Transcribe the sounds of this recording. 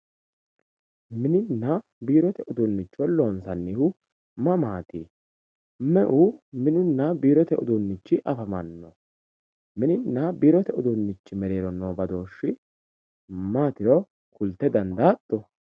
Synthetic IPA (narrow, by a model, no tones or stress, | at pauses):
mɪnɪnːɐ | biːɾɔt̪ɛʔʊd̪unːɪt͡ʃːɔlo̞ːnsɐnːihʊ | mɐmaːt̪iː | mɛʔumɪnɪnːɐbiːɾɔt̪ɛʔʊ̰d̪unːɪt͡ʃːɪʔɐfɐmɐnːɔ̰ | mɪnɪnːɐbiːɾɔt̪ɛʊd̪unːɪt͡ʃːɪmɛɾeːɾɔnːoːbɐd̪oːʃːɪ | maːt̪ɪɾɔ | kʰʊlt̪ːɛd̪ɐnd̪at̪ʼːɔ